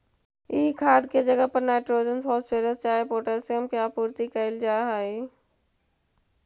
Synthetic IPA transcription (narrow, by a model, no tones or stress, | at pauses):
iːkʰaːd̪̚ked͡ʒəɡəpəɾnaːɪʈɾoːd͡ʒənbɔːt̪seːɾəst͡ʃaːepoːʈəseəmkjaːpuːɾt̪ikəɪld͡ʒaːɦaːiː